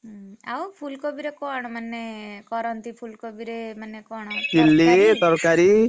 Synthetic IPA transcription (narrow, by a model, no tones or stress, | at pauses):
a̰wpʰulkɔbiɾekɔɳ̃manːekɔɾɔnt̪ipʰulkɔbiɾemanːekɔɳ̃d͡ʒilːit̪ɔɾkaɾi